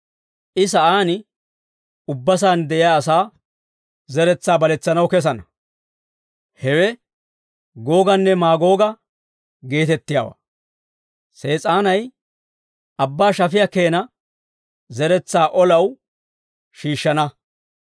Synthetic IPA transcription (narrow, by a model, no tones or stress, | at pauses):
ʔɪs̬ɐʔaːnɪ | ʊbːɐs̬aːnd̪ɛʔɪjaːsaː | zɛɾɛt͡sːaːbɐlɛt͡sːɐnɐwkɛs̬ɐnɐ | hɛwɛ | ɡo̞ːɡɐnːɛmaːɡo̞ːɡɐ | ɡe̞ːt̪ɛt̪ːɪja̰ːwa̰ː | se̞ːt͡sʼaːnɐj | ɐbːaːʃɐfɪjɐke̞ːnɐ | zɛɾɛt͡sːaːʔɔlɐw | ʃiːʃːɐnɐ